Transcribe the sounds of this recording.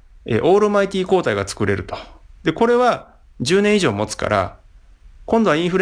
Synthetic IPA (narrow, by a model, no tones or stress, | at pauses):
ḛʔo̞ːɾɯ̟mait̪ʲiːko̞ːt̪aiɡat͡sɨ̥kɯ̟ɾe̞ɾɯ̟t̪o̞̥d̪̥e̞ko̞ɾe̞βa | d͡ʑɨːnẽiʑo̞ːmo̞t͡sɨ̥ka̰ɾʔa̰ | kõnd̪o̞aĩɰ̃ɸɯ̟ɾ